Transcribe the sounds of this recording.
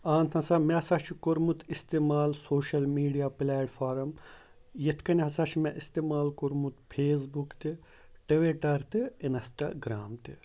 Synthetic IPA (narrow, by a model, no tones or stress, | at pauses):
aːnt̪ʰɐ̃nsamesaʃʰikoɾmut̪ist̪emaːlsoːʃɐlmiːɖijaːpilaːɖfaːɾɐm | jet̪ʰkɐnʲɦɐsaʃʰmeʔist̪eːmaːlkoɾmut̪pʰeːs̬bukt̪i | ʈiʋeʈɐɾt̪iinsʈa̰ɡɾa̰ːmt̪i